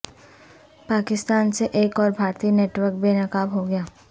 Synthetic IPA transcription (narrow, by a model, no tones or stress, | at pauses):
paːkɪst̪aːnseʔeːkɔːɾbʱaːɾt̪ineːʈwəɾk̚benɐkaːbɦoɡɐjaː